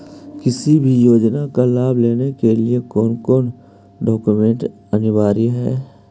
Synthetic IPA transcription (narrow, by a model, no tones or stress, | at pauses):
kɪsibʱijoːd͡ʒnakalaːbʱleːnekeliekɔːnkɔːn | ɖɔːkumẽɳʈ | ənɪʋaːɾiɦɛ̰ː